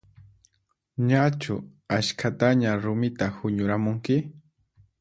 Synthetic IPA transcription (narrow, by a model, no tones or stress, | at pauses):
ɲat͡ʃʊ̰aʃkʰat̪aɲaɾʊmɪt̪ahʊɲʊɾamʊŋkɪ